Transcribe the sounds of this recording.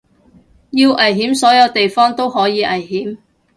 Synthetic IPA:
jiː˧wʔɐ˨˩jɦiː˨˥msɔː˨˥jɐ˨˧wt̪e˨jfɔː˥ŋt̪o˥whɔː˨˥jiː˨˧ʔɐ˨˩jɦiː˨˥m

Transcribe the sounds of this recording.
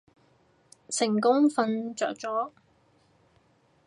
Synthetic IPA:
sɪ˨˩ŋkʊ˥ŋfɐ˧nt͡ʃœ̰ː˨k̚t͡ʃɔː˨˥

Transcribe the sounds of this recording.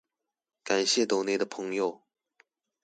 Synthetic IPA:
ka˨˩nɕjɛ˥˩t̪o˨˥ʊne˧˥ɪd̪ə˨pʰɤ˧˥˦ŋjo˥˨˩ʊ

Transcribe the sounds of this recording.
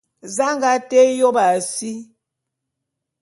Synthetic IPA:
za˦ŋɡa˦te˦jo˦ba˨si˦

